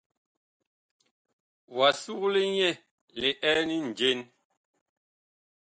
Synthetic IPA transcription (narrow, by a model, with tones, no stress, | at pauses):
wa˨su˦kle˦ɲɛ˦˨ | le˨ʔɛ˦ni˦n̩˨d͡ʒe˦n